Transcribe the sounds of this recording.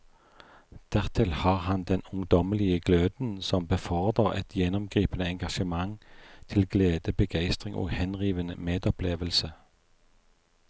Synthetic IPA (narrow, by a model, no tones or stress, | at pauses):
d̪̥æʁt̪ʰɪlhɑːʁhɑnd̪ɛnʊŋd̪ɔməlɪəɡløːd̪n̩sɔmbəfɔʁd̪əʁɛ̰t̪ʰjɛnɔmɡʁiːpənəɛŋɡɑʃəmɑŋt̪ʰɪlɡleːd̪əbəɡæɪst̪ʁɪŋʔo̰ːhɛnʁiːʋənə̰meːd̪ɔpʰleːʋəlsə